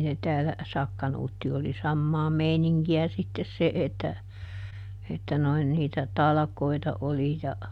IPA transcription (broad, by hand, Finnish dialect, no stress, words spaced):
ne tæːlæ sɑkːɑnuːtːi oli sɑmːɑː meiniŋkiæ sitːes se etːæ etːæ noin niːtæ tɑlɑ̆koitɑ oli jɑ